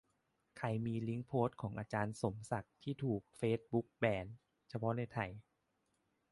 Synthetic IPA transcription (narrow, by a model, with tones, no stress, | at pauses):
kʰa˧˩jmiː˧li˦˥ŋpʰoː˦˥t̪̚kʰɔː˩˦ŋʔaː˧t͡ɕaː˧nso˩˦msa˨˩k̚t̪ʰiː˥˩t̪ʰuː˨˩k̚feː˦˥t̪̚bu˦˥k̚bɛː˧n | t͡ɕʰa˧pʰɔ˦˥na˧jt̪ʰa˧˩j